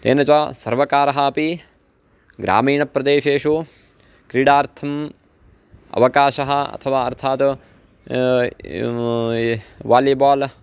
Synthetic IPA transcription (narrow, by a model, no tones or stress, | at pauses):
t̪ḛːnɐt͡ʃasɐɾʋɐkaːɾɐɦɐːpi | ɡɾa̰ːmiːɳɐpɾɐd̪eːʃeːʃu | kɾiːɽaːɾt̪ʰɐm | ɐ̰ʋɐkaːʃɐɦɐɐ̰t̪ʰɐʋaːɐɾt̪ʰaːt̪ | ʋaːlibaːl